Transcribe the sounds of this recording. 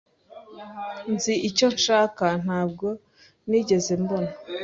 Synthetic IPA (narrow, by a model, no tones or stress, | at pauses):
nziʔico̞nʃaːkan̥haːb̚ɡo̞ | niɟe̞ze̞mbo̞na